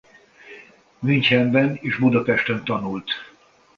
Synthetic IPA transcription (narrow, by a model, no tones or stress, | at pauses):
myɲchɛmbɛneːʒbud̪ɒpɛʃt̪ønt̪ɒnult̪